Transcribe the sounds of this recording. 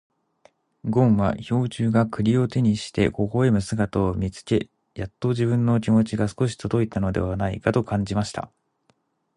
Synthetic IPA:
ɡõ̞ɰ̃βa̰ço̞ːt͡ɕɨːɡakɯ̟ɾʲio̞t̪e̞ɲ̟iɕi̥t̪e̞̰ko̞ko̞emɯ̟sɨɡat̪oːmʲit͡sɨ̥ke̞ | jat̪ːo̞ʑibɯ̟̃nːo̞k̬ʲimo̞t͡ɕiɡasɨ̥ko̞ɕ̬i̥t̪od̪o̞it̪ano̞d̪e̞̰βanaḭkat̪o̞kãɲ̟d͡ʑimaɕi̥t̪a̰

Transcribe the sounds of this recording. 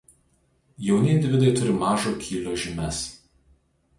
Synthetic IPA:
jɛʊnʲɪɪnʲd̪ʲɪʋʲɪd̪ɐɪt̪ʊɾʲɪmɑːʒoːkʲʰiːlʲoːʒʲɪmʲɛs

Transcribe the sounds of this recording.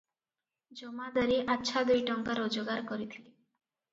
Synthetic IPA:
d͡ʒɔmad̪ɔɾeʔatːʃʰad̪ojʈɔŋkaɾɔd͡ʒoɡaɾkɔɾit̪ʰile

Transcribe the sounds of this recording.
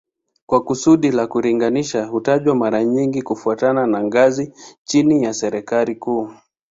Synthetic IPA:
kwakusuɗilakuɾiŋɡaniʃahutaʄwamaɾaɲiŋɡikufuatananaŋɡazit͡ʃinijasɛɾɛkalikuː

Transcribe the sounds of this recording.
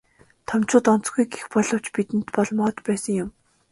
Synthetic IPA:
t̪ʰɔmt͡ɕʊːt̪ɔn̥t͡sɡujɡexpɔɮɞ̆w̥t͡ɕpit̪ɘ̆nt̪pɔɮmɔːt̪pæːsə̆ŋjʊm

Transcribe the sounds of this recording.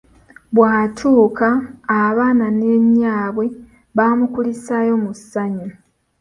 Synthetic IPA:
βwaːtʰuːkaːβaːnane̞ɲːaːβwe̞ | βaːmukulisajo̞musːaɲu

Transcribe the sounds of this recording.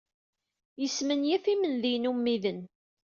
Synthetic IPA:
jəsmənjæfimənðinumːiðən

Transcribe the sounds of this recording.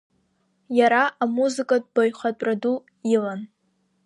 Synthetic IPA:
jaɾaamuzɨkʼad̚bojχat͡pʷʼradu | jɪlan

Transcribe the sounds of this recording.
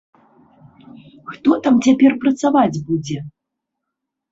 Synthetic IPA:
xt̪ɔt̪amt͡sʲapʲɛrpɾɐt̪savad͡zʲbud͡zʲɛ

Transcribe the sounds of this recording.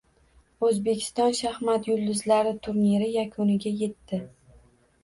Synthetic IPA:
ɵzbe̞kʲʰɪ̥st̪ɒnʃahmat̪jʊld̪ɪzlaɾɪt̪ʰʊɾniɾɪjakʰonɪɡʲaje̞t̪ʰːɪ

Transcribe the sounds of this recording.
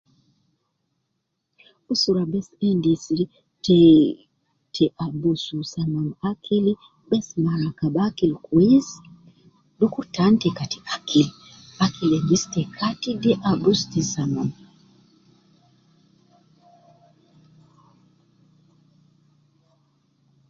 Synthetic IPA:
usuɾabɛsɛndisi | tɛ | tʰɛʔabususanɔnakʰili | bɛsmaɾakabakilkuis | dukuɾtantɛkatʰi̥ʔakʰil | ʔakʰilɛnd͡ʒistɛkʰatidɛʔabustisanɔn

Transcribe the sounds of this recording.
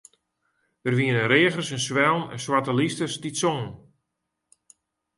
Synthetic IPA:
ərʋiənənɾeəɣərsənsʋɛlˠnɛ̰nswatəlistəstisoŋən

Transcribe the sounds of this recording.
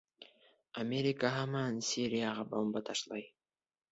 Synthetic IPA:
amʲeɾʲikaɦɑmɑnsʲiɾijaʁɑbombɑt̪ʰɑʃlˠɑj

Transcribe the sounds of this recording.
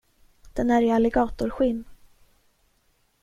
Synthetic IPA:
d̪̥ɛnæɾɪalɛɡɑːt̪ʊɾɧɪnː

